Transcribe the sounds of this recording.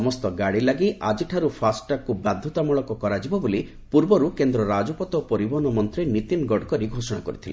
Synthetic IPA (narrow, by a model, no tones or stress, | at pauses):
ɔmɔst̪ɔɡaɽilaɡiʔad͡ʒiʈʰaɾupʰasʈakubad̪ʱːɔt̪amuɭɔkɔkɔɾad͡ʒibɔboli | puɾbɔɾukend̪ɾɔɾad͡ʒɔpɔt̪ɔpɔɾibɔnɔmɔnt̪ɾenit̪inɡɔɖkɔɾiɡʱosɔɽ̃a̰kɔ̰ɾit̪ʰile